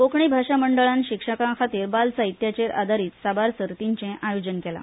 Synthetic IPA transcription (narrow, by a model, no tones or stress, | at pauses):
kokɳibʱaʂaməɳɖəɭãnɕikʂəkãkʰat̪iːɾbalsait̪jat͡ɕeɾʔa̰d̪aɾiːt̪sabaɾsəɾt̪iɲt͡ɕẽʔajod͡ʑənkela̰